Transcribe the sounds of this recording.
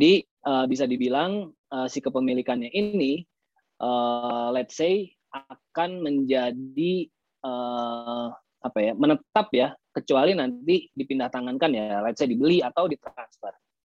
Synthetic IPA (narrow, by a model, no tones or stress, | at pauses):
di | əːbis̬adibilaŋ | əsikəpəmilikanɲaʔini | ʔəːlɛt̪̚sej | ʔakanməɲd͡ʒadi | əː | apajamənət̪apjakət͡ʃualinant̪idipindaht̪aŋankanjalat̪̚sedibəliat̪awdit̪ɾansfər